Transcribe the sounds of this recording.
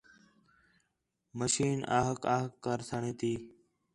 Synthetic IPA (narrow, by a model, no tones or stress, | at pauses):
məʃiːna̰ːɦəkaːɦəkːəɾsʰaɳẽːt̪iː